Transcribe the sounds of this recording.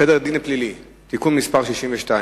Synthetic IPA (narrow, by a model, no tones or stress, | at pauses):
edeʁd̪ineplili | t̪ikunmispaʁʃiʃimveʃta